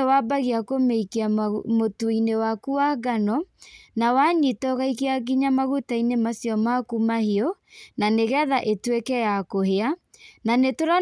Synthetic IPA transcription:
wabaɣiakomeikiamotuinewakuaɡanɔnawaɲitɔɣaikeaɡiɲamaɣutainemasjɔmakumahiɔ | naneɣɛðaʔetwekɛjakoheananetoɾa

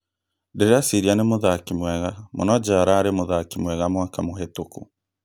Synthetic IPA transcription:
ndeɾeasiɾianemoðakimwɛɣamo̰nɔd͡ʒaɾaːɾemoðakimwɛɣamwakamohetoku

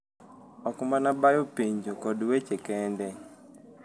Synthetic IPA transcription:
ɔkʊmanabajopeɲd͡ʒokɔdwet͡ʃekɛndɛ

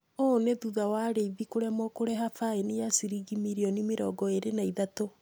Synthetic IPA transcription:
ɔneðuðawaːɾeiβikoɾɛmɔkoɾɛɦafaenejasiɾiɡimiɾiɔnimeɾɔ̰ɡɔeɾenaiðato

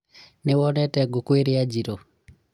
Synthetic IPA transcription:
newɔnɛtɛɡokweɾiad͡ʒiɾɔ

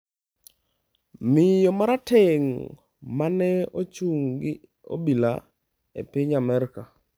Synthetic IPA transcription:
mɪjomaɾateŋ | manɛot͡ʃuŋɡɪ | o̰bila̰ | ḛpɪɲamɛɾka

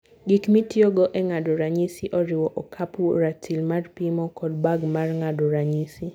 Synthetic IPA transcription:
ɡikmitjoɡɔʔɛŋadoɾaɲisiʔɔɾɪwɔʔɔkʰapuɾatʰilmarpimɔkɔdbaɡmarŋadoɾaɲisi

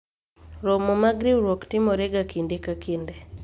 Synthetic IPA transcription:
ɾomomaɡɾiwɾwoktɪmɔɾeɡakindekakinde

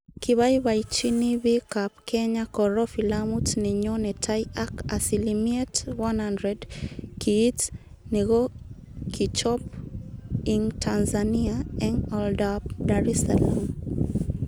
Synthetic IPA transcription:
kiβajbajt͡ʃinibikap̚kʰeɲakɔɾɔfilamutnɛɲonɛtʰajakasilimietwanhandɾɛdkʰiːt | neɡo | kʰit͡ʃɔp̚ | iŋtʰanzaniaɛŋɔldap̚daɾɛsalam

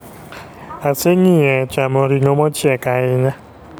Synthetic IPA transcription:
aseɲiɛt͡ʃamɔɾinomɔt͡ʃʰiɛkaɪɲa

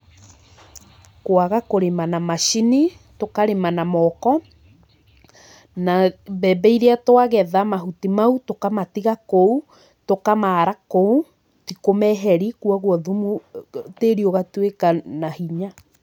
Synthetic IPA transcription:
koaɣakoɾemanamaʃini | tokaɾemanamɔkɔ | nabɛbɛiɾeatowaɣɛðamaɦutimautokamatiɣakou | tokamaːɾakou | tikomɛɦɛɾikwɔɣwɔðumuteɾioɣatwekanahiɲa

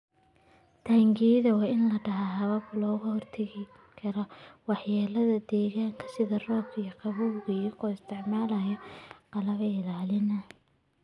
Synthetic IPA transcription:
t̪ʰaːŋɡiðɐwɑːɪnlɐɖɐɦaɦɐβɐblɔːɣʊhɔrt̪ʰɐɣɪ | kʰɐɾɔwɑħjaːlɐðɐd̪ɛːɣaːŋkʰɐ̥sɪðɐrɔːkʰijɔqɑβuɣikɔːɪst̪ʰɪʕmaːlɐjɔqɑlɐβɛɪlaːlɪnɐ

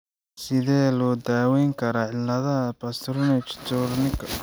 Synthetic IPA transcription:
sɪðɛːlɔːd̪aːwɛjŋkʰɐɾɐːʕɪlːɐðɐɦɐbɐst̪ɾnɛt͡ʃt̪ʰurnɪkʰ

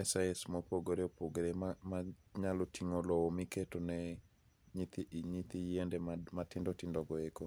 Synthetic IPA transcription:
mɛsaɛsmɔpoɡoɾeopoɡɾemamaɲalotʰiŋolɔomiketonɛ | ɲit̪iɲit̪ijiendɛmatɪndɔtɪndɔɡɔeko

